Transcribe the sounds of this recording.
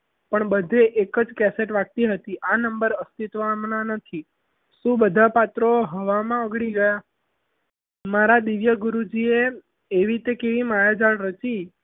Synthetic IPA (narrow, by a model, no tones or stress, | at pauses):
pəɳbəd̪ʱeʔekəd͡ʒkɛseʈʋak̚t̪iɦət̪iʔanəmbəɾəst̪it̪ʋamnanət̪ʰi | ʃũbəd̪ʱapat̪ɾoɦəʋamãəɡɽiɡəja | maɾad̪iʋjəɡuɾud͡ʒieː | ʋit̪ekeʋimajad͡ʒaɭɾət͡ʃi